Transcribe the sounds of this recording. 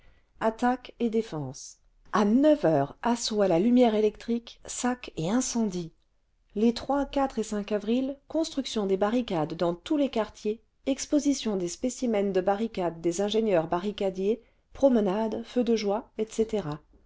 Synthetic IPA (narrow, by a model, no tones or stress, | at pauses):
at̪aked̪efɑ̃s | anœvœːʁasoalalymjɛʁelɛk̚t̪χiksakeɛ̃sɑ̃d̪i | let̪χwakat̪χesɛ̃kavʁilkɔ̃st̪χyksjɔ̃d̪ebaʁikad̪ːɑ̃t̪ulekaʁt̪je | ɛkspozisjɔ̃d̪espesimɛnd̪əbaʁikad̪ːezɛ̃ʒenjœʁbaʁikad̪je | pχɔmənad̪fød̪əʒwaɛt̪set̪eʁa